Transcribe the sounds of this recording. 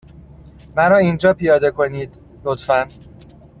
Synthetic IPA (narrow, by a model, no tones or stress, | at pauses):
mæɾɒːiːnd͡ʒɒːpʰijɒːd̪e̞kʰo̞niːd̪ | lo̞t̪fæn